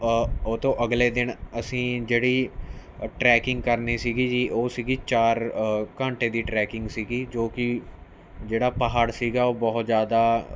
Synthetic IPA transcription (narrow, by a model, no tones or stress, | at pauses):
oːt̪õːʔəɡleːd̪ɪnəsĩːd͡ʒeːɽiː | ʈɾɛːkɪ̃ŋɡkəɾniːsiːɡiːd͡ʒiːʔoːsiːɡiːt͡ʃaːɾkãːɳʈeːd̪iːʈɾɛːkɪ̃ŋɡsiːɡiːd͡ʒoːkɪ | d͡ʒeːɽaːpaɦaːɾsiːɡaːoːbɔːt̪zjaːd̪aː